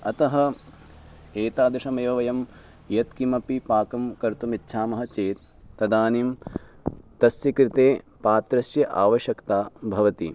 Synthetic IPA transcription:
ɐt̪ɐɦɐ̆ | eːt̪aːd̪ɐʂɐmeːʋɐʋɐjɐm | jɐt̪kimɐpipaːkɐmkɐɾt̪umitːʃʰaːmɐɦɐt͡ʃeːt̪ː | ɐd̪aːniːm | t̪ɐsjɐkɾɪt̪eːpaːt̪ɾɐsjɐʔaːʋɐʃjɐkt̪aːbʱɐʋɐt̪ḭ

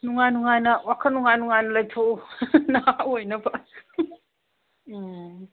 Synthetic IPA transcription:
nuŋajnuŋajnɐwakʰɐnuŋajnuŋajnɐlɐjtʰonawojnɐba

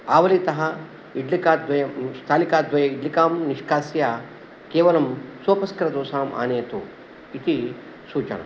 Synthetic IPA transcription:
aːʋɐlit̪ɐɦɐ | iɖlikaːd̪ʋɐjɐst̪ʰaːlikaːd̪ʋɐjɐiɖlikaːmniʂkaːsjaː | keːʋɐlɐmsoːpɐskɐɾɐd̪oːsaːmʔa̰ːneːt̪o̰ | it̪i | suːt͡ʃɐ̰ɳɐ̰

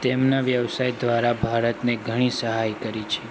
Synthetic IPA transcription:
t̪emnaʋjəʋsajd̪ʋaɾabʱaɾət̪neɡʱəɽ̃isəɦajkəɾit͡ʃʰe

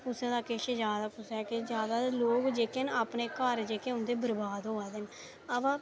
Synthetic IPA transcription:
kʊsẽd̪aːkeʃəd͡ʒaːd̪aːkʊsɛːked͡ʒjaːd̪aːloːkd͡ʒeːkenaːpneːkəɾd͡ʒeːkeːʊ̃nd̪eːbəɾbaːd̪ɦoːɛːd̪en | əbãː

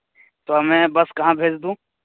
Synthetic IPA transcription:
t̪oɐmɛ̃bɐskɐɦãbʱeːd͡ʒd̪ũː

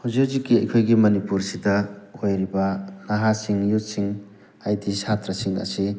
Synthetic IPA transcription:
huziuzikːiɐjkʰojɡimɐnipuɾsidɐojɾibɐnaɦasiŋjusiŋ | ajdisat̪ɾɐsiŋɐ̰si

